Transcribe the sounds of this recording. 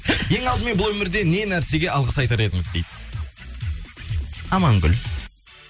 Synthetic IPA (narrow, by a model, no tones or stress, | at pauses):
je̞ŋɑlˠd̪əme̞nbʊlˠwɵmɪɾd̪e̞ne̞næɾse̞ɡʲe̞ɑlˠʁəsɑjt̪ɑɾe̞d̪ɪŋɪzd̪e̞jd̪ɪ | ɑmɑŋɡʲʏ̰l